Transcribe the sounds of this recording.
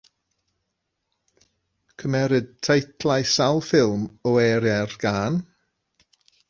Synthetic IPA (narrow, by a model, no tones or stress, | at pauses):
kʰəmɛɾɨd̚tʰejtʰlˠajsalˠfɪlˠmɔɛːɾjɛrɡ̥aːn